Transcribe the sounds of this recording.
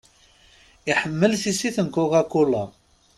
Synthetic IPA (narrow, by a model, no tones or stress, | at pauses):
ɪħəmːəlθisiθənkʊʁækːʊlɑ